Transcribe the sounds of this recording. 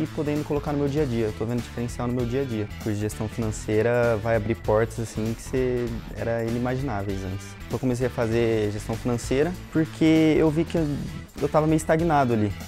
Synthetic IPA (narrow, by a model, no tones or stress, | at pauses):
ɪpod̪ẽnd̪ʊkolokaɾnʊmewd͡ʒiɐd͡ʒiɐewt̪ovẽnd̪ʊd͡ʒi̥feɾẽsiawnʊmewd͡ʒiɐd͡ʒiɐpʊʒest̪ɐ̃w̃finɐ̃sejɾɐvajabɾiɾpɔɾt̪ɐzasĩkɪ̥seɛ̰ɾɐĩnimaʒinavejzɐ̰̃nt͡ʃɪst̪õwkomes̬ejɐfazeʒest̪ɐ̃w̃finɐ̃sejɾɐpoɾkʰeewvikɪ | ewt̪avɐmejʊist̪aɡinad̪ʊali